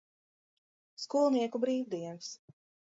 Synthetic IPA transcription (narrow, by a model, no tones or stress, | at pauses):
skuːlˠniɛkubɾiːwd̪iɛns